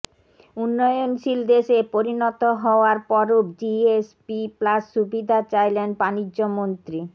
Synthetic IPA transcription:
unːɔjonʃild̪eʃepoɾinɔt̪oɦɔoaɾpɔɾod͡ʑiespiplasʃubid̪ʱat͡ɕajlenbanid͡ʑːomont̪ɾi

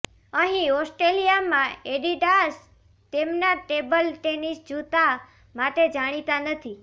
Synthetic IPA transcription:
əɦĩɔsʈɾelijamãeɖiɖas | t̪emnaʈebəlʈenisd͡ʒot̪a | maʈed͡ʒaɽ̃it̪anət̪ʰi

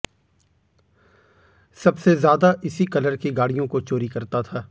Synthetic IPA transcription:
sɐbsezjaːd̪aʔɪsikɐləɾkiɡaːɽijõkot͡ʃoːɾikɐɾt̪at̪ʰaː

